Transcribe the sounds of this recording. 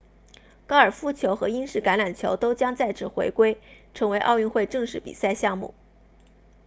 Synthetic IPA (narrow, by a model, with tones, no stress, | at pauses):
kɑ˥ə˞˨˩fu˥t͡ɕʰjo˧˥ʊxɤ˧˥i˥nʂɻ̩˥˩ka˧˥nla˨˩nt͡ɕʰjo˧˥ʊt̪o˥ʊt͡ɕjɑ˥ŋt͡sa˥˧ɪt͡sʰɹ̩˥˩xwe˧˥ɪkwe˥ɪʈ͡ʂʰɤ˧˥ŋwe˧˥ɪʔɑ̰˥˧ʊy˥˧nxwe˥˧ɪʈ͡ʂɤ˥˧ŋʂɻ̩˥˩pḭ˨˩sa˥˧ɪɕjɑ˥˧ŋmṵ˥˩